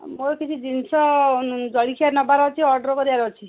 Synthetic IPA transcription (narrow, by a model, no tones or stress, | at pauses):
moɾkit͡ʃʰid͡ʒinsɔd͡ʒɔɭikʰiaɾnɔbaɾɔt͡ʃʰiɔɾɖɔɾɔkɔɾibaɾɔt͡ʃʰi